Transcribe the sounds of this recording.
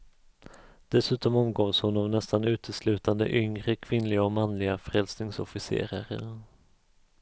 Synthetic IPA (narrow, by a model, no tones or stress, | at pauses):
d̪̥ɛsʉ̟ːt̪ɔmɔmɡoːshʊnavnɛst̪anʉ̟ːt̪ʰəslʉ̟ːt̪and̪ə̰ʔʏŋɾəkʰvɪnlɪɡaɔmanlɪɡafɾɛlsnɪŋsɔfɪsḛːɾaɾə̰ɾ